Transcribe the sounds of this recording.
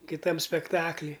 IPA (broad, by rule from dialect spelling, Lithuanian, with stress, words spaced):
kʲɪˈtɐm sʲpʲɛkˈtɑːklʲiː